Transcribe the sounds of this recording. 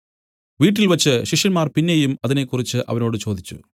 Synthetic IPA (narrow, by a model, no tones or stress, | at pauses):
ʋiːʈ̬ːilʋɐt͡ɕːɨɕiʂɐnmaːrpinːejumɐðine̞kːurit͡ɕːɨʔɐ̰ʋɐno̞ːɽɨt͡ɕo̞ːd̪ʱit͡ɕːṵ